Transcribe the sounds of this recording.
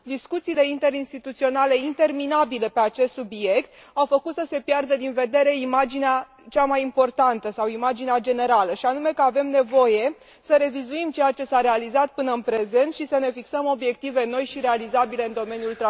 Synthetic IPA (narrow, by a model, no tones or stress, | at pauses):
d̪iskut̪siːleint̪e̞ɾinst̪it̪ut̪sio̞nale̞int̪e̞rminabile̞peat͡ʃe̞st̪subije̞kt̪awfəkut̪səse̞pjard̪əd̪inve̞d̪e̞ɾe̞imad͡ʒinea | t͡ʃamajimpo̞rt̪ant̪əsawimad͡ʒinead͡ʒe̞ne̞ɾaləʃianume̞kəave̞mne̞vo̞je̞ | səɾe̞vizuimt͡ʃe̞jat͡ʃe̞saɾe̞alizat̪̚pɨnəɨnpɾe̞ze̞nt̪ʃisəne̞fiksəmo̞bje̞k̚t̪ive̞no̞jʃiɾe̞alizabile̞ɨnd̪o̞me̞njult̪ɾa